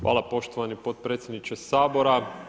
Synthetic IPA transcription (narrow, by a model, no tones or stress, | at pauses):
xʋʔa̰ːlˠapo̞ʃt̪oʋanipot̪̚pɾet̪sʲje̞d̪nit͡ʃesaːbo̞ɾa